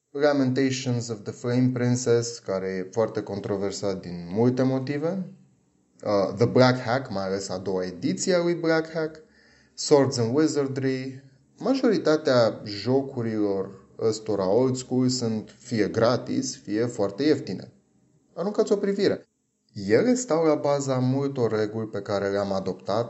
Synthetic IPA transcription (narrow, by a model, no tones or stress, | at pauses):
lament̪ejʃonzɔvðəflej̃mpɾĩnseskaɾejefoart̪e̞ko̞nt̪ɾo̞versat̪̚d̪inmult̪e̞mo̞t̪ive̞ | ðəblakhækmajale̞sad̪o̞waed̪it̪sialujblakhæk | soɾt̪zənwezərd̪ɾi | maʒo̞ɾit̪at̪eaʒo̞kuɾilo̞r | əst̪o̞ɾao̞lt̪skulsunt̪fije̞ɡɾat̪ḭsfije̞foart̪e̞jeft̪inḛ | aɾuŋkat̪sʲo̞pɾiviɾe̞ | jeɣest̪awlabazamult̪o̞rːe̞ɡulʲpe̞kaɾe̞leamad̪o̞pt̪at̪